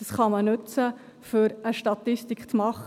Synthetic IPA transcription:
ɑsχɑmənʉt͡sə | fʏɾəʃtɑt̪ɪstikχt͡smɑχ

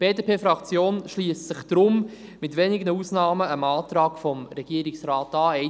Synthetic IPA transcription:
b̥eːdepʰeːfɾɑkt͡sjoːnʃliːssɪχd̥̪ɾʊm | mɪtʋɛnɪɡənusnɑːməəmɑːtɾɑːɡfɔmɾɛɡ̥iəɾɪksɾɑːtɑːɛ

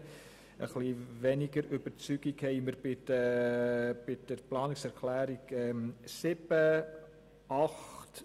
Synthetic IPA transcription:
ə̰χliʋɛnɪɡəɾʏbəɾt͡syɡ̥ikhɛɪməɾbɪ | b̥ɪd̥əɾplɑːnɪksɛɾkʰlæːɾiɡɛmsɪb̥ə | ʔɑχt

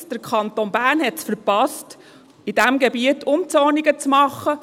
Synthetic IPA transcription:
d̥əɾkʰɑnt̪onbæːɾnhɛtsfəɾpɑst | id̥æmɡɛbiətʰʊnt͡sɔniɡət͡smɑχːə

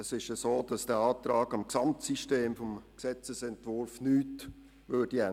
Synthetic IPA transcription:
əsɪʃəsoːd̥ɑsd̥ɛːɑːt̪ɾaːɡɑmksɑmtsiʃteːmfɔmksɛt͡səsɛntvʊɾfnyːt | vøːd̥iɛ

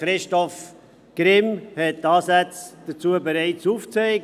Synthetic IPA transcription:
ɾɪʃtɔf | ɡ̥ɾɪmhɛttɑːsæt͡sd̥ət͡suəbeɾaɪt͡suft͡seɪɡ

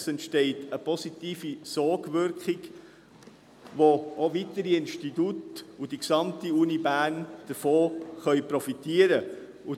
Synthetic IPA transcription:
sɛntʃteɪtəpɔsit̪iːfisɔɡvʏɾkχɪɡ | ʋoovitəɾiɪnʃtitutud̥iksɑmtiunibæːnd̥əɾfoːχœʏpɾɔfitiəɾə | ʊ

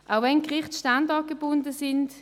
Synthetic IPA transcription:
ʔaʊvɛnkʁɪχtʃtandɑɡ̥eb̥ʊndəsɪnd

